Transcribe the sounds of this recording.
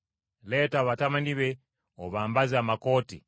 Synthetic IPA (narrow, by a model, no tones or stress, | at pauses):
le̞ːtaːβatamaniβe̞ | oβaːmbazaːmako̞ːtḭ